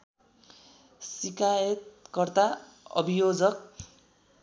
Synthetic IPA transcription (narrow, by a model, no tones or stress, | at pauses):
sikajet̪̚kʌrt̪a | ʌ̰bijod͡zʌk̚